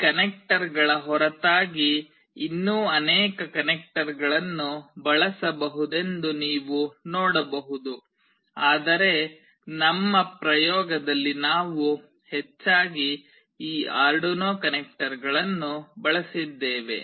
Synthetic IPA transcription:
kɐnek̚ʈɐɾɡɐɭɐɦɔɾɐt̪aːɡiː | nːuːɐnɛːkɐkɐnek̚ʈɐɾɡɐɭɐnːubɐɭɐsɐbɐɦud̪e̞nd̪uniːʋunɔːɽɐbɐɦud̪u | aːd̪ɐɾe̞ | nɐmːɐpɾɐjɔːɡɐd̪ɐlːinaːʋu | het͡ʃːaːɡi | iːaːɾɖonoːkɐnek̚ʈɐɾɡɐɭɐnːubɐɭɐsid̪ːeːʋe̞̰

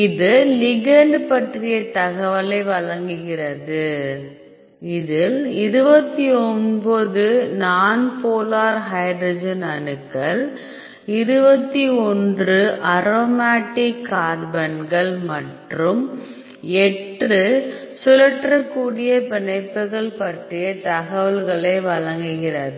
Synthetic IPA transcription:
ɪðɯlɪɣɛɳɖpɐʈrɪjɐt̪ɐɣɐʋɐlɐɪʋɐɭɐŋɡɯɣɪrɐðɯ | ɪðɪlɪɾɯbɐt̪ːiɔnbɐðɯnaːnpoːlaːɾɦɐɪɖɾɔd͡ʒɐnɐnɯkːɐɭ | ɪɾɯbɐt̪ːiɔndrɯʔɐɾoːmaːʈːɪkːaːɽbɐnɡɐɭmɐʈrɯm | ɛʈrɯ | sʊlɐʈrɐkːuːɽɪjɐpɪɳɐɪpːɯɣɐɭpɐʈrɪjɐt̪ɐɣɐʋɐlɣɐɭɐɪʋɐɭɐŋɡɯɣɪrɐðɯ

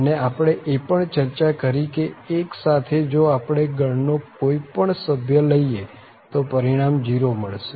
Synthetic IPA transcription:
əneapɽ̃eʔepəɳt͡ʃəɾt͡ʃakəɾikeːksat̪ʰed͡ʒoapɽ̃eɡʱəɳnokoipəɳsəbʱjələie | t̪opəɾiɽ̃amd͡ʒiɾoməɭʃe

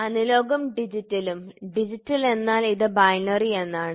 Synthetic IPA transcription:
ɐnilo̞ːɡɐmɖid͡ʑitːɐlumɖid͡ʑitːɐle̞nːaːliðɨbɐjnɐrie̞nːaːɳɨ

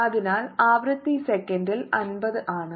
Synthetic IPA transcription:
ɐðɪnaːlaːʋɾɐt̪ːisɛkːɐndɪlɐnbɐðɯʔaːɳɨ

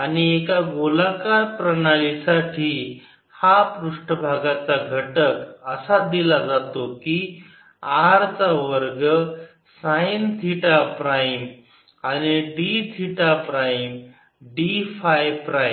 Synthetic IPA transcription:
aniekaɡolakaɾpɾəɽ̃aɭisaʈʰiː | hapɾuʂʈəbʱaɡat͡saɡʱəʈəkəsad̪ilad͡zat̪oki | aɾt͡saʋəɾɡə | sajnʱiʈapɾajm | añiɖid͡zʱiʈapɾajm | ɖifajpɾaj

